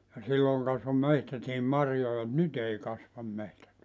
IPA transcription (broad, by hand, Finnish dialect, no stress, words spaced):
jɑ silːoŋ kɑsʋo mehtætiːm mɑrjojɑ m̆ŭt̆ nyt ei kɑsʋɑm mehtæt